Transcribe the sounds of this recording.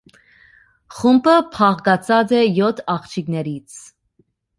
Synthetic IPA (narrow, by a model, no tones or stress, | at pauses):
χumpʰəpʰɑʁɡɑt͡sʰɑd͡zɛjɔt̪ʰɑχt͡ʃʰiknɛɾit͡sʰ